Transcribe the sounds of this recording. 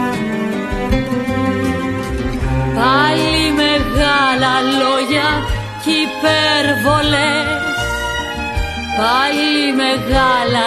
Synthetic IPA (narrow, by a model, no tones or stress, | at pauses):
palimeɣalɐloʝɐ | cipeɾvole | palimeɣalɐ